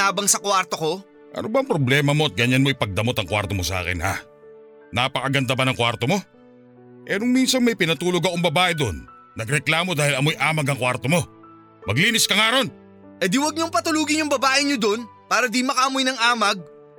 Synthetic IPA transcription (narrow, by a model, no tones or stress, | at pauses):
aːbɐŋsɐkwaɾt̪o̞ko̞ | ʔɐ̰nobɐŋpɾoblɛːmɐmo̞ʔɐt̪̚ɡɐɲɐnmoʔɪjpɐɡ̚d̪ɐmo̞t̪ɐŋkwa̰ɾt̪o̞mosɐʔa̰ːkɛ̰nha̰ | napɐkɐɡɐnd̪ɐbɐnɐŋkwaɾt̪o̞mo̞ | ʔɛɾʊŋmiːnsɐŋmɐjpɪnɐt̪uːloɡɐkoŋbɐbaːʔɛd̪onː | ɐɡɾɛklaːmo̞d̪aːhɪlɐmo̞jʔaːmɐɡɐŋkwaɾt̪omo̞ | mɐɡliːnɪskɐŋaːɾo̞n | ʔɛd̪iwɐɡ̚ɲoŋpɐt̪ʊluːɡɪɲjʊŋbɐbaːʔɪɲod̪o̞npaːɾɐd̪imɐkaʔɐmojnɐŋaːmɐɡ̚